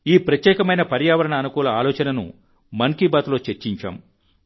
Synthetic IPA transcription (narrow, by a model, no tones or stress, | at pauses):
iːpɾɐt̪jɛːkɐmɐjnɐpɐɾjaːʋɐɾɐɳɐːnukuːlɐaːlɔːt͡ʃɐnɐnṵ | mɐŋkiːbaːt̪lo̞ːt͡ʃeɾt͡ʃiɲt͡ʃa̰ːm